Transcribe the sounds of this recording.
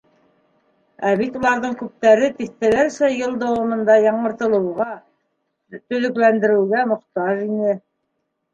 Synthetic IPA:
æβit̪ulˠɑɾðɤɴkʉp̚t̪æɾɘt̪iθt̪ælæɾsæjɤlˠd̪ɑwɑmɤ̆nd̪ɑjɑɴɤ̆ɾt̪ɤ̆lˠɤ̆wʁɑ | t̪ɵ̆lɘ̆klænd̪ɘ̆ɾɘ̆wɡæmŏqt̪ɑʒinɘ

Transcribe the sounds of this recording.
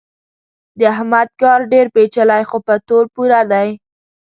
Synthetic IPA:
d̪əaɦmad̪̚ɡɑɾɖeɾpet͡ʃəlajxopət̪oɾpuɾad̪aj

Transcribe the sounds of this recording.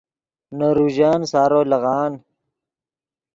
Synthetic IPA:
noɾuːʑaːnsaːɾoːlɐɣaːn

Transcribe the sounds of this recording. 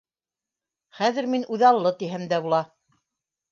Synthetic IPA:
χæðɘ̆ɾminʔʉðɑlˠːɤt̪iɦæmd̪æβulˠɑ

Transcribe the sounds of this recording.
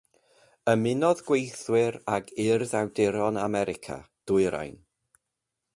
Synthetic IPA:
əmɪnɔðɡ̥wejθwɪɾaɡʰɪrðawdɪɾɔnamɛɾɪkʰa̰ | d̥ʊɨɾa̰jn

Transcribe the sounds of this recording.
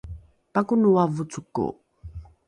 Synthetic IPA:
pakunuwavut͡sukːṵ

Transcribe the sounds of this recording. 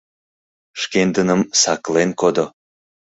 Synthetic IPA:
ʃkend̪ənəmsɑklenkod̪o

